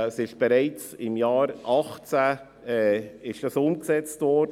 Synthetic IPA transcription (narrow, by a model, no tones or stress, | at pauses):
əsɪʃb̥ɛɾɛɪt͡sɪmjɑːɾʔɑχt͡sa | ɛːɪʃd̥ɑsʊmksɛt͡stvɔɾd